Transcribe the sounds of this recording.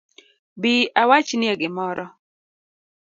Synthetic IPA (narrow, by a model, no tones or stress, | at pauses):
biawat͡ʃnɪɛɡɪmɔɾɔ